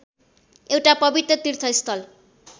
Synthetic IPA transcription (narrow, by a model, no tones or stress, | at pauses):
ewʈapʌbit̪rʌt̪iɾt̪ʰʌist̪ʰʌl